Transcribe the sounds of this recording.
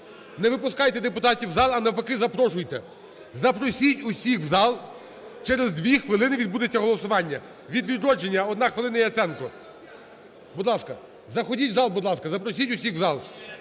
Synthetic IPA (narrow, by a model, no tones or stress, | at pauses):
nɛʋɪpʊskɑjt̪ɛd̪epʊt̪ɑtʲiwzɑlˠɐnɐpɐkɪzɐpɾɔʃʊjt̪ɛ | zɐpɾɔsʲitʲʊsʲixwzɑlˠ | t͡ʃɛɾezd̪ʋʲixʋɪlˠɪnɪʋʲid̪̚bud̪et͡sʲːɐɦɔlˠɔsʊʋɑnʲːɐ | ʋʲid̪ʋʲid̪ɾɔd͡ʒenʲːɐɔd̪nɑxʋɪlˠɪnɐjɛɐt̪sɛnkʊ | bud̪lˠɑskɐ | zɐxɔdʲitʲzɑlˠbʊd̪lˠɑskɐzɐpɾɔsʲitʲʊsʲixwzɑlˠ